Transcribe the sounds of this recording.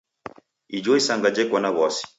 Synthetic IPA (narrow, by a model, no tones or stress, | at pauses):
id͡ʒɔisaŋɡad͡ʒɛkanaβɔsi̥